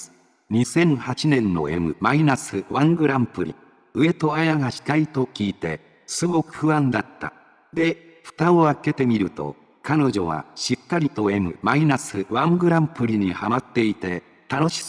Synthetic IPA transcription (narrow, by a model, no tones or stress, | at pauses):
ɲ̟isẽ̞ɰ̃hat͡ɕinẽ̞nːo̞̰e̞̰mɯ̟̰mainasɨβãŋɡɯ̟ɾãmpɯ̟ɾʲḭ | ɯe̞t̪o̞ajaɡaɕi̥k̪ait̪o̞kʲiːt̪e̞ | sɨɡo̞kɯ̟̥hɯ̟βãnd̪at̪ːa̰ | d̪e̞ | ɸɯ̟̥t̪aoake̞t̪e̞mʲiɾɯ̟t̪o̞̰ | kano̞ʑo̞̰βa̰ɕikːaɾʲit̪o̞e̞mɯ̟̰mainasɨβãŋɡɯ̟ɾãmpɯ̟ɾʲiɲ̟ihamat̪ːe̞it̪e̞ | t̪ano̞ɕi̥